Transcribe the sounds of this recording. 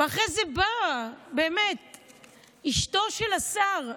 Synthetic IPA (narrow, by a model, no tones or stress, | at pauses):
veaχʁezebabeːmet̪̚ | iʃt̪o̞ʃelasaʁ